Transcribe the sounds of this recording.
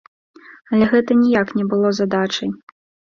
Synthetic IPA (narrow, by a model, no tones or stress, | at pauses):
ɐlʲɛɣɛt̪ɐnʲijaknʲɛbɨlˠɔzad̪at͡ʂɐj